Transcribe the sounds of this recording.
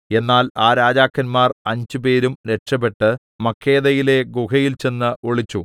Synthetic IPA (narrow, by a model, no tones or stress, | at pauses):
e̞nːaːlaːɾaːd͡ʑaːkːɐnmaːrɐɲd͡ʑupe̞ːɾumɾe̞ʈʂɐbe̞ʈːɨ | mɐkʰːe̞ːðɐjile̞ɡukɐjilt͡ɕe̞nːɨoɭit͡ɕːu